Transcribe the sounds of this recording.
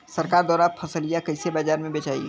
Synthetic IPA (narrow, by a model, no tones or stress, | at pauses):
sɐɾkaːɾd̪ɔːɾaːt̪̚pʰɐsəlijakɐɪsebaːd͡ʒaːɾmẽbeːt͡ʃaːḭ